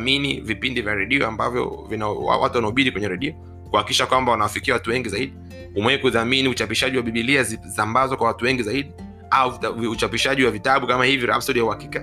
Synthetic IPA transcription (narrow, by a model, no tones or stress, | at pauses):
minivipindivjaɾɛɗiɔ̰ambavjɔ̰vinaa̰wa̰tuwanaɔɓiɗikwɛɲɛɾɛɗiɔ | kuhakikiʃakwambawanawafikiawatuwɛŋɡizaiɗi | umwɛkuðaminiut͡ʃapiʃaʄiwaɓiɓiliazisambazakwawatuwɛŋɡizaiɗi | auut͡ʃapiʃaʄiwavitaɓukamahiviɾa̰psɔɾijauhaki̥ka